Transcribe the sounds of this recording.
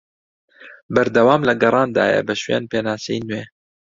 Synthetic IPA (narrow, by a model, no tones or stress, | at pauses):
bæɾd̪ɐwɑːmlɐɡɐrˤɑːnd̪ɑ̰ːjɛ̰bəʃwḛːnpeːnaːsɛjnweː